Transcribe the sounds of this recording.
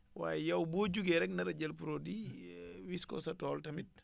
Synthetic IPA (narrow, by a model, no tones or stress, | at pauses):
wa̰ːjɛjɐwboːɟuɡɛɾɛk̚nɐɾɐɟɐlpuɾoːdiwiskɔ̰sɐtɔːltɐmit̚